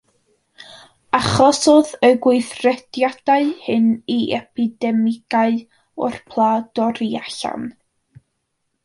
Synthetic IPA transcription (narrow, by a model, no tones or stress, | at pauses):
aχɔsoðəɡwʊɨθrɛd̥jad̥aɨhɨniʔɛpʰidɛmɪɡ̥aɨ | ɔ̰rpʰlˠaːd̥ɔɾiaɬa̰n